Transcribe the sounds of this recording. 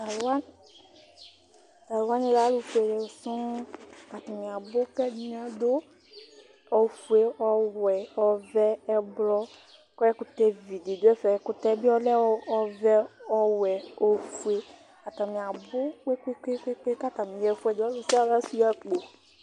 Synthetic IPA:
a˨lwa˦n | d̪a˨lwa˦ne˦la˦lu˨fe˨lɛ˨sɔ̃˦ka˨t̪ã˨mĩ˨a˨bʊ˦k͡pɛ˦di˦ɲ˦ã˦d̪o˦ | ɔ˨fu˨e˦ɔ˦wɛ˨ɔ˦vɛ˦ɛ˦blɔ˦ | kɔ˦ɛ˦kʊ˨t̪ɛ˦vi˨de˨d̪o˦ɛ˦fɛ˨ɛ˨˦kʊ˦t̪ɛ˦bi˦ɔ˦lɛ˦ɔ˦ɔ˦vɛ˦ɔ˦wɛ˨o˦fu˨e˦ | ka˨t̪ã˨mĩ˨a˨bʊ˦k͡pe˦k͡pe˦k͡pe˦k͡pe˦k͡pe˦ka˦t̪ã˨mĩ˨ɛ˨fu˦ɛ˨dɔ˦lu˨su˦a˦la˦su˦ja˦k͡po˨

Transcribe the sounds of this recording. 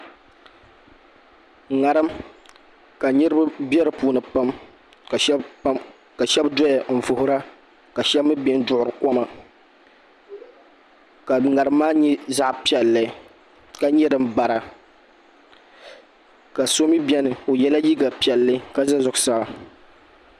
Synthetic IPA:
ŋa˨ɾɨ˦m | ka˨ɲɛ˦ɾɨ˦bbɛ˦ɾɨ˨puː˦nɨ˨pa˦m˨˦ | ka˨ʃɛ˦bdɔ˦ja˨n̩˨vʊ˨hʊ˦ɾa˦ | ka˨ʃɛ˦bːɨ˦bɛ˦ndʊ˦ʔʊ˨ɾɨ˨kɔ˦ma˨ | ka˨ŋa˨ɾɨ˨˦mːaː˦ɲɛ˦za˦ʔpi˨ɛ˨lːɨ˦ | ka˨ɲɛ˦dɨ˦mba˨ɾa˨ | ka˨so˦mi˦bjɛ˦nɨ˨o˨jɛ˦la˦ji˦ɡa˨pi˨ɛ˨lːɨ˦ka˦za˦zʊ˨kʊ˨sa˨ba˨

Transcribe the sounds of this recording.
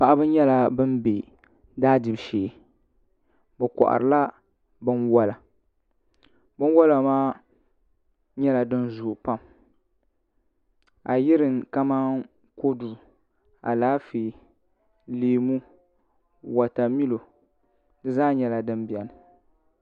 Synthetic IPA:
pa˨ʔa˦bɨ˦ɲɛ˦la˦bɨ˦mbe˨ | daː˦dɨ˨bʃeː˨ | bɛ˨kɔ̰˨ʔa̰˨ɾɨ˨la˦ | bɨ˦nwa˦la˨ | bɨ˦n˦wa˦la˨maː˦ | ɲɛ˦la˨dɨ˦nzʊ˨pa˦˨m | a˨jɪ˦ɾɨ˨ŋka˦maː˦n | ko˦du˨ | a̰˨laː˦fi˨ | leː˨mu˦ | wa˨ta˨mi˦lo˨ | dɨ˦zaː˦ɲɛ˦la˨dɨ˦mbi˨ɛ˨nɨ˨

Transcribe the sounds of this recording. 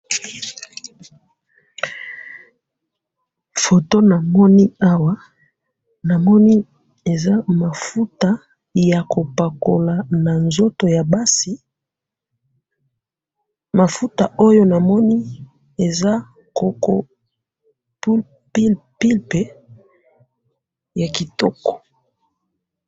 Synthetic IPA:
fo˨to˦na˨mɔ˦ni˦a˦wa˦ | na˨mɔ˦ni˦ | e˨za˦ma˨fu˦ta˦ | ja˨ko˨pa˨ko˨la˨na˨nzo˦to˨ja˨ba˦si˨ | ma˨fu˦ta˨ʔo˦jo˦na˨mɔ˦ni˦ | e˨za˦ | ko˨ko˦ | pu˦l | pi˦lpi˦lpe˨ | ja˨ki˨tɔ˦kɔ̥˨

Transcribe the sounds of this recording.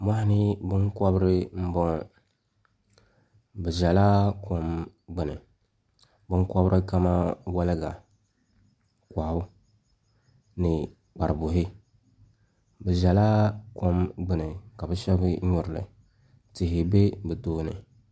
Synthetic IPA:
ma˦hɪ˦nɪ˦bɨ˦ŋkɔ˦bɾɨ˦m̩˦bɔ˦ŋ | bɛ˨ʒa˨laː˦ko˦m | ɡ͡bɨ˨nɨ̰˨ | bɨ˦ŋ˦kɔ˦bɾʔɨ˦ka˦ma˦wa˦lɨ˦ɡa˨ | kʷa˨hʊ˦ | nɨ˨ | k͡pa˨ɾɨ˨bʊ˨ɦɪ˦ | bɛ˨ʒa˨laː˦ko˦mɡ͡bɨ˦nɨ˨ka˨bɨ˦ʃɛ˦bɨ˦ɲʊ˨ɾɨ˨lɨ̰˨ | tɪ˨ɦɪ˨be˦bɨ˨toː˦nɨ̰˨

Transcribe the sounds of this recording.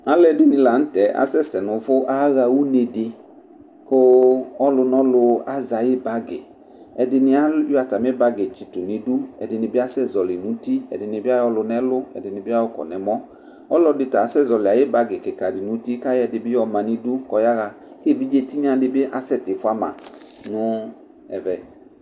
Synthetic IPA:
a˦lɛ˨dɪ˦nɪ̃˧la˨n̩˦tɛ˨˦a̰˦sɛ˦sɛ˨nʊ̃˨fʊ˦ʔa˦ɣa˧wu˦ne˧dɪ˧ | kʊ˦ɔ˦lʊ˧nɔ˦lʊ˧a˦za˨jɪ˦ba˦ɡɪ̰˨ | ɛ˨dɪ˧nɪ˧a˦jo˦a˨ta˨mɪ˦ba˧ɡɪ˨t͡ʃi˨tʊ˨nɪ˨du˦ɛ̰˨dɪ˨nɪ˨bɪ˦a˦sɛ˦˨zɔ˨lɪ˨nũ˨˦di˦ɛ̰˨dɪ˨nɪ˨bɪ˦a˦jɔ˧lʊ˧nɛ˦lʊ˦ɛ̰˨dɪ˨nɪ˨bɪ˦a˦wʊ˦kɔ̰˨nɛ˨mɔ˦ | ɔ˦lɔ˧dɪ˧ta˨˦sɛ˦˨zɔ˨lɪ˨a˨jɪ˦ba˧ɡɪ˨kɪ˨ka˨dɪ˨nũ˨˦di˦ka˦jɛ˨dɪ˨bɪ˦jɔ˦mã˨ni˧du˦kɔ˨˦ja˦ɣa˧ | ke˦˨vi˦d͡ʒe˧ti˦ɲã˦˧dɪ˧bɪ˦ʔa˨sɛ˦˨tɪ˨fʊ˦a˦mã̰˨ | nʊ˦ | ɛ̰˨vɛ˨

